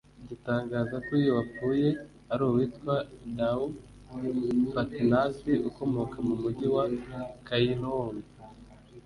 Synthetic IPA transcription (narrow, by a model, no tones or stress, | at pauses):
ɟitaːŋɡaːzakuːjowap͡fuːje̞ | aɾuwitkwadau | fatinasiʔuko̞mo̞kamumuɟiwakajinowon